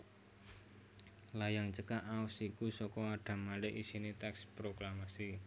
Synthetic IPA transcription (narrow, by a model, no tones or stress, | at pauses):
lajaŋt͡ʃəkaʔaʊsikusɔkɔaɖ̥a̤malɪʔisinit̪ɛkspɾoklamasi